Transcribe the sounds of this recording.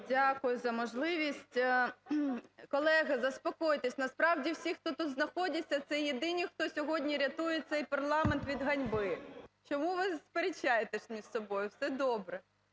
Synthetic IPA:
dʲakʊjʊzɐmɔʒlˠɪʋʲisʲtʲ | kɔlˠɛɦɐzɐspɔkɔjt̪esʲnɐspɾɑwdʲiwsʲixt̪ɔt̪ut̪znɐxɔdʲɐt͡sʲːɐt̪sɛjed̪ɪnʲixt̪ɔsʲɔɦɔdʲnʲiɾʲɐt̪ujet̪sɛjpɐrlˠɑment̪ʋʲid̪ɦɐnʲbɪt͡ʃɔmuʋɪspeɾʲɪt͡ʃːajet̪eʃmʲiʒ̥sɔbɔjʊwsɛd̪ɔbɾɛ

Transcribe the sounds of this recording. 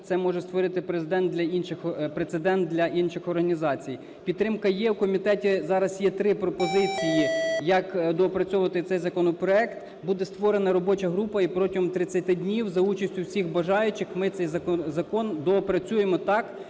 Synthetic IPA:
t̪sɛmɔʒɛst̪ʋɔɾɪt̪ɪpɾezɪd̪ɛnt̪d̪lʲɐinʃɪxpɾet̪sed̪ɛnt̪̚d̪lʲɐʔinʃɪxɔrɦɐnʲizɑt͡sʲij | pʲid̪t̪ːɾɪmkɐjɛwkɔmʲit̪ɛtʲizɑɾɐsjɛt̪ɾɪpɾɔpɔzɪt͡sʲijijɐkd̪ɔɔpɾɐt͡sʲɔʋɐt̪ɪt̪sɛjzɐkɔnɔpɾɔɛkt̪ | bud̪ɛst̪ʋɔɾenɐɾɔbɔt͡ʃɐɦɾupɐipɾɔtʲiɦɔmt̪ɾɪt͡sʲːɐt̪ɪdʲnʲiwzɐut͡ʃɐsʲtʲʊwsʲixbɐʒɑjʊt͡ʃɪxmɪt̪sɛjzɐɔzɐkɔnd̪ɔɔpɾɐt͡sʲujemɔt̪ɑk

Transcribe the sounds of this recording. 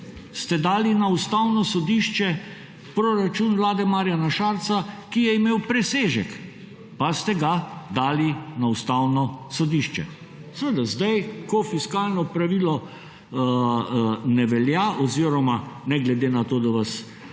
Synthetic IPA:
st̪ɛd̪aːlinaust̪awnɔsɔd̪iːʃt͡ʃɛ | pɾoɾat͡ʃuːnʋlaːd̪ɛmaːɾijanaʃaːɾt̪t͡ssakijɛimeːwpɾɛseːʒɛk | past̪ɛɡad̪aːlinaust̪awnɔsɔd̪iʃt͡ʃɛ̰ | sɛʋəd̪azd̪ajkɔfiskaːlnɔpɾaʋilɔ | nɛʋɛljaʔɔziɾɔmanɛɡlɛd̪eːnat̪oːd̪aʋas

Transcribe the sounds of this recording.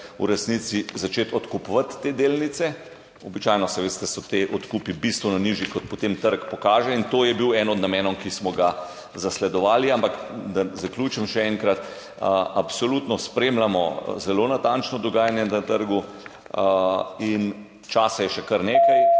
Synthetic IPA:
ṵɾɛsnit̪sizat͡ʃeːt̪ɔt̪kupʋat̪ːeːd̪eːlnit̪sɛ | ɔbit͡ʃajnɔsɛʋeːst̪ɛsɔt̪eʔɔt̪kuːpibist̪ʋunɔniʒikɔt̪̚pɔt̪emt̪əɾkpɔkaːʒɛint̪oːjɛbiwɛnɔd̪namjɛːnɔʊkismɔɡa | zaslɛd̪ɔʋaːliampakd̪azaklʲuːt͡ʃɛmʃɛɛŋkɾat̪ | apsolut̪nɔspɾeːmlamɔzɛloːnat̪ant͡ʃnɔd̪ɔɡaːjanjɛnat̪əɾɡu | in | t͡ʃaːsajɛʃɛkɐɾneːkaj

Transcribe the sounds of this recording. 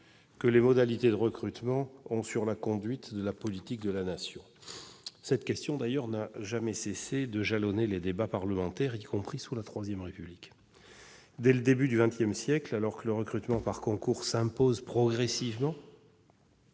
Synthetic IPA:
kəlemɔd̪alit̪ed̪əʁəkχyt̪mɑ̃ɔ̃syʁlakɔ̃d̪ɥit̪d̪əlapɔlit̪ik̚d̪əlanasjɔ̃ | sɛt̪kʲɛst̪jɔ̃d̪ajœʁnaʒamɛsesed̪əʒalɔneled̪ebapaʁləmɑ̃t̪ɛʁikɔ̃pχisulat̪χwazjɛmʁepyblik | d̪ɛləd̪ebyd̪yvɛ̃t̪jɛmsjɛklalɔʁkələʁəkχyt̪mɑ̃paʁkɔ̃kuʁsɛ̃pozpχɔɡʁɛsivmɑ̃

